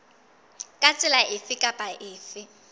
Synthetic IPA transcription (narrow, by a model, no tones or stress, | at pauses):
kʼat͡sʼɪlaʔɪfɪkʼapʼaʔɪːfɪ